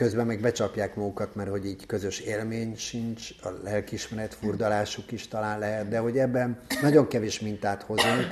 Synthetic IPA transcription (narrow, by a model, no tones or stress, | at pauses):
kø̞zbɛmːɛɡbɛt͡ʃɒpjaːkmɒɡukɒt̪mɛrho̞ɟiːɟkø̞zø̞ʃeːlmeːɲʃint͡ʃɒ̰lɛlkiʃmɛɾɛt̪furd̪ɒlaːʃukiʃt̪ɒlaːnlɛɦɛt̪d̪ɛɦo̞ɟɛbːɛnːɒɟo̞ŋkɛveːʃmint̪aːt̪ho̞zːoŋ